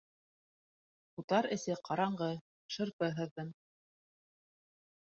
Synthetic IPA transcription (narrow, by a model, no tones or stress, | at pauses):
ut̪ɑɾɘ̆sɘqʰɑɾɑɴɢɤ | ʃɤ̆ɾpɤɦɤ̆ðːɤm